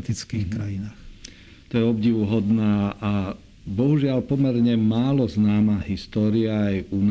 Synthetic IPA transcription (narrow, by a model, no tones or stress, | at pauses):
t̪it͡skiːxkɾajinaːx | t̪ɔjɛɔbɟiʋʊɦɔd̪naːʔa | bɔɦuʒɪaʎpɔmɛɾɲɛmaːlɔznaːmaːɦist̪ɔːɾiaajun